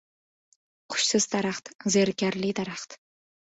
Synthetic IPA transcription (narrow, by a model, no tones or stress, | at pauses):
qʰʊ̥ʃsɪz̥d̪aɾaχt̪zeɾkʲaɾlid̪aɾaχt̪